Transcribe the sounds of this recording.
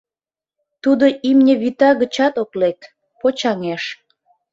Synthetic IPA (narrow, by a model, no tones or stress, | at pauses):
t̪ud̪oimnʲəβit̪ɑɣə̆t͡ɕɑt̪oklek̪ | pot͡ɕɑŋeʃ